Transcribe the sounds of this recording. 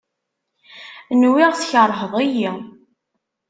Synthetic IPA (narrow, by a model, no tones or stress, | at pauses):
nwɪʁθçəɾˤɦəðˤiji